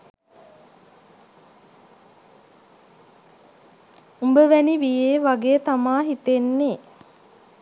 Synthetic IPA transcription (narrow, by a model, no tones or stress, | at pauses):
umbəʋæniʋijeːʋaɡeːt̪amaːɦit̪enːeː